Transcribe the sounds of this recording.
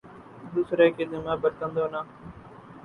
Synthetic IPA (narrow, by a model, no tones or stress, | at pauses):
d̪uːsɾeːkeːd̪əmãːbəɾt̪ə̃nd̪oːnaː